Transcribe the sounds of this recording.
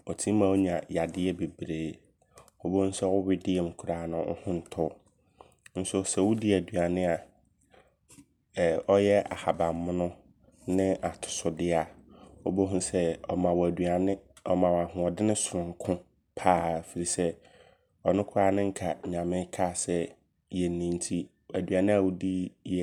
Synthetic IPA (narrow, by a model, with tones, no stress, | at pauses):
ɔ˨tʰĩ˦mã˨wo˦ɲã˨ja˨dɪ˦ɛ˦be˨bɾeː˨˦ | ɔ˦bo˦n̩˦sɛ˦wʊ˦wɪ˦dɪ˦ɛ˨m̩˨kʰʊ˨ɾaː˨nʊ̃˦ʊ̰˦hʊ̃˦n̩˨tʰʊ˦ | n̩˦sʊ˦sɛ˨wʊ˦di˦æ˨du˨a˨nɪ̃˦a˨ | ɔ˦jɛ˦a̰˨ha˨bã˨mː˦ʊ̃˦nʊ̃˦ | nɪ̃˦ʔa˨tʰʊ̥˨sʊ˨dɪ˦a˨ɔ˦bo˦ɦũ˦sɛ˦ɔ˨mã˨wɔ˨æ˨du˨a˨nɪ̃˦ | ɔ˨mã˨wa˨ɦʊ̃˨ɔ˨dɪ˦nɪ̃˦sʊ˨ɾʊ̃˨ŋ˨˦kʰʊ̃˦ | pʰaː˦˨fi˨ɾi˨sɛ˦ | ɔ˨nʊ̃˦kʰʊ˦ɾaː˦nɪ̃˦ŋ̩˦kʰa˨ɲã˨mɪ̃˦kʰa˦˨sɛ˦ | jɛ˨nːĩ˨n˦tʰi˦ | æ˨dɥa˨nɪ̃˦a˨wʊ˦di˦jɛ˦